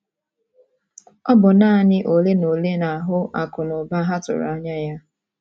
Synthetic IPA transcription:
ɔ˦bʊ˨naː˦˨ɲɪ˦ʔo˨le˦no˨le˦na˨a˨ɦʊ˦ʔa˨kʊ˨nʊ˨ba˦ɦa˦tʊ̰˨ɾa˦ɲa˦ja˦

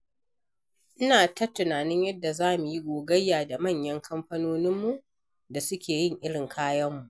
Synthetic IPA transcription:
ʔɪ˦naː˨tɐ˦tːʊ˨naː˨nɪ˦ɲjɐ˦dːa˨zaː˦˨mu˨ji˦ɡʷoː˨ɡɐ˦jːaː˨da˨mɐ˦˨ɲjɐ˦ŋkʰɐ˦mɸɐ˦noː˦nɪ˦mːu˨ʔ | da˨sʊ˦kʲeː˨jɪ˦˨ŋʔɪ˦ɽɪ˨ŋkʰaː˦jɐ˦mːu˨ʔ

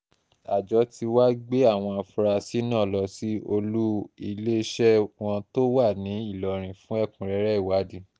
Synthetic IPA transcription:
a˨d͡ʒɔ˨˧˦ti˧wa˦ɡ͡be˦a˦˨w̃ɔ̃˧a˧fu˧ɾa˧si˦nãː˦˨lɔ˧si˦o˧lu˦i˧le˦˧ʃɛ˦w̃ɔ̃˧to˦wa˦˨nĩ˨˦i˦˨lɔ˨ɾ̃ĩ˨fũ˦ɛ˦˨kũ˨ɾɛ˨˦ɾɛ˦i˦˨wa˨˦di˧˦

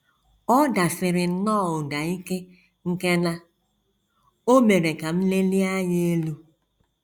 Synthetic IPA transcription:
ɔ˦da˨fɪ˨ɾɪ˨˦nɔ˦˨ʊ˨da˨i˦ke˦ | ŋ̩˦ke˦na˦ | o˦me˨ɾe˨ka˨m̩˦le˦li˦a˦ɲ˦e˦lu˦

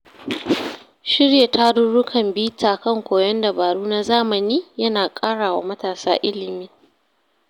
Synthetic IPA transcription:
ʃɪ˦ɽje˨ta˦dʊ˦ɽʊ˦kʰɐ˨mbiː˦taː˨kɐ˦˨ŋkʷoː˨jɐ˦nda˨baː˨ɽuː˦na˦zaː˦mɐ˨niː˦jɐ˦naː˨kʼaː˦ɽaː˨wa̰˦mɐ˦taː˨sa̰ː˦ʔɪ˦lɪ˨miː˦

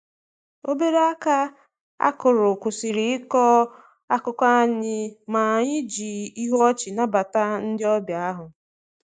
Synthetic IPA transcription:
o˦be˦ɾe˦a˦ka˦ | a̰˦kʊ˨ɾʊ˨kʷʊ˨sɪ˨ɾɪ˨ɪ˦kɔ˦ | a˦kʊ˨˦kʷa˦a˦ɲɪ˦ma˨ɲɪ˦d͡ʒi˨i˦ɦɔ˦t͡ʃɪ˨na˦ba˨ta˦n̩˦dɪ˦ɔ˦bja˨a˦ɦʊ˨

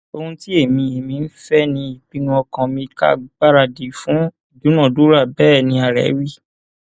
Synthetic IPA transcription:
o˧hũ˧ti˦e˦˨mĩ˧e˨mĩ˧n̩˦fɛ˦nĩ˧i˨k͡pi˨˦nũ˧˦ɔ˧kã˧mĩ˧ka̰˦˨ɡ͡ba˦ɾa˧˨di˨fũ˨˦˨ | du˨˦nã˦˨du˨˦ɾa˦˨bɛː˦˨nĩ˧a˨ɾɛ̰˨˦wi˦˨

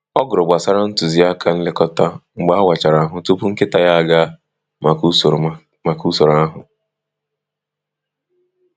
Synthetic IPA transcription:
ɔ˦ɡʊ˨ɾʊ˨ɡ͡ba˨sa˦ɾa˦n̩˦tʊ˨zi˨˦a˦kʰa˦n̩˦lɪ˦kɔ˦ta˦ŋ͡m̩˨ɡ͡ba˦wa˨t͡ʃa˨ɾa˨˦ɦʊ˦tu˦pu˦ŋ̩˦kɪ˦ta˨ja˦a˦ɡa˦˨˦ | ma˨ku˦so˨ɾa˦ɦʊ˨

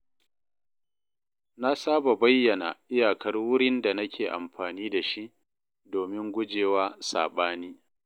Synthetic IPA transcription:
na˦saː˦ba˨ba˦jːɐ˨na̰˨ʔɪ˦jaː˨kɐ˦rwʊ˦ɽɪ˦nda˨nɐ˦kʲʰeː˨ʔa̰˨mɸaː˨niː˦da˨ʃi˦ʔ | doː˨mɪ˦ŋɡʷʊ˦d͡ʒeː˨waː˦sa̰ː˨ɓaː˦niː˦

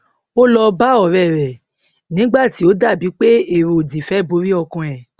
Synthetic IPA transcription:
o˦lɔ˧ba˦ɔ˨ɾɛ˨ɾɛ˨ | nĩ˨˦ɡ͡ba˦˨ti˨˦o˨˦da˦˨bi˨˦k͡pe˦e˦˨ɾo˨o˨di˨fɛ˨˦˨bo˨˧˦ɾi˦ɔ˧kɔ̃˧ɛ˨

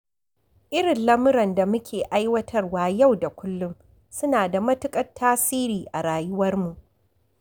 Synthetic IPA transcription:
ʔɪ˦ɽɪ˨nlɐ˦mʊ˦ɾɐ˨nda˨mʊ˦kʲʰeː˨ʔa˦jwɐ˦tʰɐ˦rwaː˨ja˦˨wda˨kʷʊ˦lːʊ˦m | sʊ˦naː˨da˨mɐ˦tʊ˦kʼɐ˦tʰːaː˦siː˦ɾiː˨ʔa˨ɽaː˨jʊ˦wɐ˦rmu˨ʔ

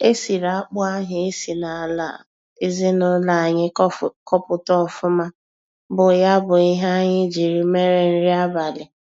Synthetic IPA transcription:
e˦si˨ɾa˨a˦k͡pʊ˦a˦ɦɪ˨e˦si˨na˨la̰˨ | e˦zɪ˦nʊ˦la˨a˨ɲɪ˦kɔ˦pʊ˨tɔ˦˨fʊ˦ma˦ | bʊ˨ja˦bʊ˨i˦ɦa˦a˦ɲɪ˦d͡ʒi˨ɾi˦me˦ɾe˨n̩˦ɾi˦a˦ba˨lɪ˨

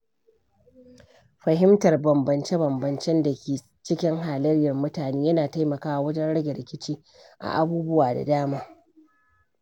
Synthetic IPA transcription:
ɸɐ˨ɦɪ˦mtɐ˨rbɐ˨mbɐ˨nt͡ʃe˦bɐ˨mbɐ˨nt͡ʃɛ˦nda˨kʲeː˨ | t͡ʃɪ˦kʲɪ˦ŋɦaː˨lɐ˦rjɐ˨rmʊ˦taː˨neː˦jɐ˦naː˨ta˦jmɐ˨kaː˦ʔa˨wɐ˦d͡ʒɛ˦nɽɐ˦ɡʲɛ˨ɾɪ˨kʲɪ˦t͡ʃiː˦ | ʔa̰˨ʔa˨buː˦bʊ˦waː˨da̰˨daː˦maː˦

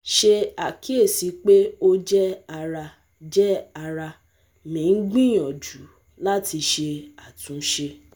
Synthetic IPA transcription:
ʃe˧a˨ki˦e˦˨si˨˧˦k͡pe˦o˦d͡ʒɛ˦a˧ɾa˧ | d͡ʒɛ˦a˧ɾa˧ | mĩ˨˦ɡ͡bĩ˦j̃ɔ̃˨d͡ʒu˨˦ | la˦ti˧ʃe˧a˨tũ˨˦ʃe˧

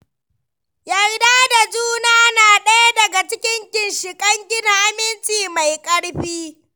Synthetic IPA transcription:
jɐ˨jdaː˦da˨d͡ʒuː˦naː˦naː˨ɗɐ˦ja˦dɐ˨ɡa˨t͡ʃɪ˦kʲɪ˦ŋkʲɪ˨nʃɪ˨kʼɐ˦ŋɡʲɪ˦da˨ʔa˦mɪ˦nt͡ʃʼiː˨ma˨jkʼɐ˦ɽɸiː˦

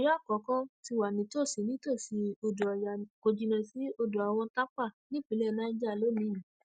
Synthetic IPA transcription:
jɔ˦˨kɔ˨˦kɔ̃˦ti˧wa˨nĩ˨˦to˦˨si˨nĩ˦to˦˨si˨˧o˧do˨a˨jã˨ko˨d͡ʒi˨˧nɛ̃˧˨si˨˦o˧do˨a˨w̃ɔ̃˧ta˦k͡pa˦˨nĩ˦k͡pi˨˦lɛ˦˨nãː˦˧n̩˦d͡ʒa˦˨lo˨˦nĩ˧˦ĩ˨

